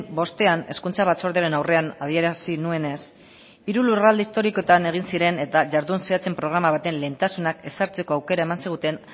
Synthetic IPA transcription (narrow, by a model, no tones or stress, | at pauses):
bo̞st̪e̞ane̞skunt͡saβat͡so̞ɾðeaɾe̞nawre̞anað̞ie̞ɾasinue̞ne̞s | iɾulurald̪eist̪o̞ɾiko̞t̪ane̞ɣ̞insiɾe̞ne̞t̪aʝaɾðunseat͡se̞mpɾo̞ɣ̞ɾamaβ̞at̪e̞nle̞nt̪asunake̞saɾt͡se̞ko̞awke̞ɾae̞mansiɣ̞ut̪e̞n